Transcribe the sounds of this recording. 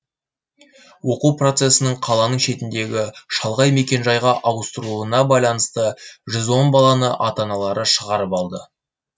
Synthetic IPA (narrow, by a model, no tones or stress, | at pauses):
wo̞quwpro̞t̪se̞sɪnəɴqʰɑlˠɑnəɴʃe̞t̪ɪnd̪e̞ɡʲɪʃɑlˠʁɑjme̞kʲe̞nʒɑjʁɑʔɑwəst̪əɾuənɑbɑjlˠɑnəst̪əʒʏzwo̞nbɑlˠɑnəʔɑt̪ɑnɑlˠɑɾʔəʃəʁɑɾəpɑlˠd̪ə